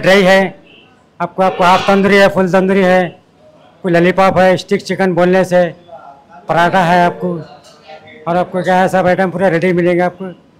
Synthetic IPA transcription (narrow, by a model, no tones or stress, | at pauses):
ɖɾaiɦɛ | aːp̚koaːp̚koaːpt̪ə̃nd̪ɾiɦɛpʰʊlt̪ə̃nd̪ɾiɦɛ | aːpkolɐlipaːpɦɛɪsʈik̚t͡ʃɪkənboːlnese | pɐɾaːʈaɦɛaːp̚ko | ɔːɾaːp̚kokjaɦɛsabɛːɪʈə̃mpuːɾaɾeɖimɪlẽːɡeaːp̚ko